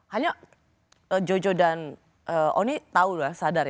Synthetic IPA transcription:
haɲa | əd͡ʒod͡ʒodan | ʔəʔo̰nit̪aut̪uasadar

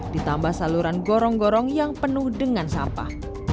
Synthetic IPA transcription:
d̥it̪ambahsaluɾanɡɔɾɔŋɡɔɾɔŋjaŋpənʊhdəŋansampa̰h

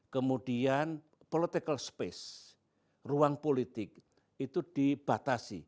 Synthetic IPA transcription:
kəmud̥ian | polit̪ikəlspɛs | ruaŋpolit̪ɪk̚ | it̪ud̪̥ib̥at̪asḭ

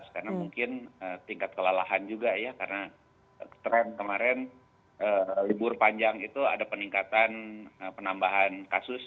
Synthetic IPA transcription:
skarnamuŋkɪnət̪iŋkat̪̚kəlalaɦand͡ʒuɡajakarna | t̪ɾɛnkəmaɾɛn | əlibʊrpaɲd͡ʒaŋit̪ua̰dapəniŋkat̪anəpənambaɦankasʊs

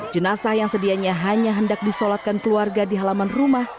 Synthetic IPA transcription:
d͡ʒənasahjaŋsədiaɲaɦaɲaɦəndak̚disolat̪̚kankəluarɡadiɦalamanrumah

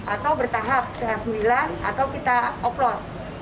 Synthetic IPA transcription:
ʔat̪awbərt̪aɦap̚kaɾasəmilaa̰t̪awkit̪aɔplɔs

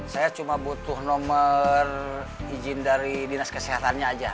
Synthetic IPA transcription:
sajat͡ʃumabut̪ʊhnɔmər | id͡ʒɪndaɾidinaskəsiɦat̪anɲaːd͡ʒa

